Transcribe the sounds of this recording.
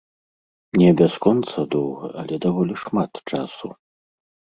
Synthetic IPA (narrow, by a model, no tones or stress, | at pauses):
mnʲɛbʲaskɔnt̪sɐd̪ɔwɣɐ̰ʔɐlʲɛd̪avɔlʲiʂmat̪t͡ʂasu